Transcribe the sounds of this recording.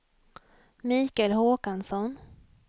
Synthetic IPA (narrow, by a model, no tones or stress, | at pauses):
miːkɛlɦoːkansɔn